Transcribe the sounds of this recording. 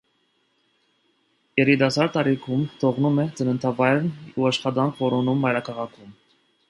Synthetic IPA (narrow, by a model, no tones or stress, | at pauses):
jɛɾit̪ɑsɑɾt̪ɑɾikʰumt̪ʰɔʁnumɛt͡sənənt̪ʰɑvɑjɾnuɑʃχɑd̪ɑŋkʰvɔɾɔnumːɑjɾɑkʰɑʁɑkʰum